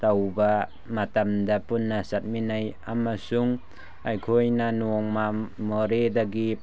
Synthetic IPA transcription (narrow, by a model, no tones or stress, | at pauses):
t̪awba | mat̪amd̪apunːasat̪̚minajamasuŋ | ʔajkʰojnanuŋmamɔɾed̪aɡip̚